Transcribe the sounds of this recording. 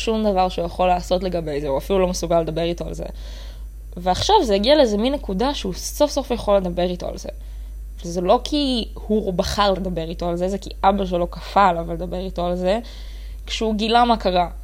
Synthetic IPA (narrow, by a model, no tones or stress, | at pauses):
ʃumd̪ɐvaʁʃeujaχo̞lːaːso̞tleɡabe̞jzeuafilulo̞mesuɡaled̪ɐbe̞ʁito̞a̰lzḛ | veaχʃavzejaɡialeezeminːekud̪aʃeuso̞fso̞fjaχo̞lːe̞d̪abe̞ʁito̞a̰lze̞̰ | vezelo̞kʰi | hubaχaʁle̞d̪ɐbe̞ʁito̞alzezekiʔabaʃ̬elo̞kafalavaled̪abe̞ʁito̞alze̞ | kʃɛuɡilamakaʁa